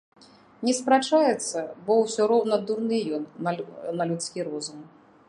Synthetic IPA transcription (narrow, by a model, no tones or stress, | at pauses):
nʲɛspɾat͡ʂajɛt̪sːɐbɔwsʲɔɾɔwnɐd̪urnɨjɔnnɐlʲut̪skʲiɾɔzum